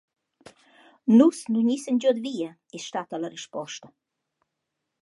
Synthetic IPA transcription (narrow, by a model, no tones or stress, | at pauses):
nusnuɲisɛnd͡ʑɔd̪viːa | isʃt̪at̪alaɾiʃpɔʃt̪ə